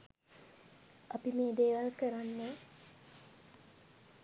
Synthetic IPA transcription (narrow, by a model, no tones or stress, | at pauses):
apimeːd̪eːʋalkəɾanːə